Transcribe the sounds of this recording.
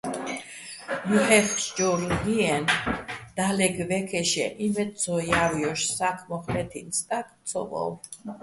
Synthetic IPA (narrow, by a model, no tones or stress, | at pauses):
juħɛfʃd͡ʒɔɾɡiɛnd̪̥alɛɡvɛkʰɛʃɛʔimɛt̪̚t͡sʰɔjaviɔʃsakʰmɔχlɛt̪ʰinst̪ʼak̪ʰt͡sʰɔ̰vɔ̰w